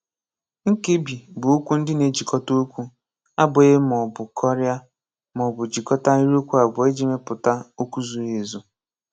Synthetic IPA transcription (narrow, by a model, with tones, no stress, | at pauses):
ŋ̩˦ki˦bi˨bʊ˨u˦kʷu˦n̩˦dɪ˦ne˨d͡ʒi˨kɔ˦to˦kʷu˦ | a˦bʊ˨e˦mɔ˨bʊ˨kʰɔ˦ɾja˦ | mɔ˨bʊ˨d͡ʒi˨kɔ˦ta˦i˦ɾi˦o˦kʷu˦a˨bʊ˨e˦d͡ʒi˨me˦pʊ˨ta˦o˦ku˦zu˨e˨zu˦